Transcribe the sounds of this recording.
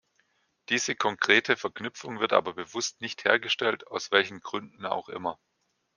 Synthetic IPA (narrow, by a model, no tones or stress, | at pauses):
d̥iːzəkʰɔŋkʁ̥eːtʰəfɛɐknʏpfʊŋvɪɐtʔa̰ːbɐbəvʊstnɪçtheːɐɡəʃtɛltaʊsv̥ɛlçn̩ɡʁʏndn̩a̰ʊxʔɪ̰mɐ